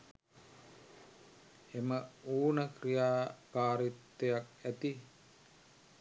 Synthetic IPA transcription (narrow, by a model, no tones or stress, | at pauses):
eməuːnəkrijaːkaːɾit̪ːejak̚æt̪i